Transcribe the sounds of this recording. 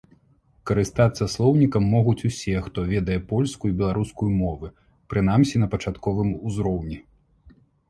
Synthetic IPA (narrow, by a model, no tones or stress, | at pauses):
kɐɾɨst̪at̪sːɐslˠɔwnʲikɐmːɔɣut͡sʲusʲɛxt̪ɔvʲɛd̪ɐjɛpɔlʲskujibʲɛlˠaɾuskujumɔvɨ | pɾɨnamsʲinɐpɐt͡ʂat̪kɔvɨmuzɾɔwnʲi